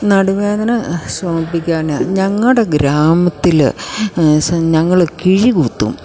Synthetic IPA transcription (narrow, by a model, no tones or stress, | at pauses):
nɐɽuʋeːðɐnɐsʋɐmɐpːikʲːaːn̰ɲɐŋːɐɭɽe̞ɡɾaːmɐt̪ːil | sɲɐŋːɐɭkiɻikut̪ːṵm